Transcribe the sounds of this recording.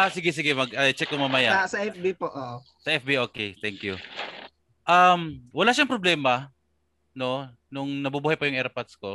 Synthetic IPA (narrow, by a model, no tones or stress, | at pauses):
ʔasɪɡɛs̬ɪɡɛmɐɡɐjt͡ʃɛk̚ːʊŋmɐmɐjasɐʔɛfbipoʔoʔo | sɐʔɛfbiʔoːkɛt̪ɛŋkjʊ | ʔɐmwɐlaʃaŋpɾoblɛːmɐ | no̞ | nʊŋnɐbubuːhajpɐjʊŋʔɛɹpat̪sko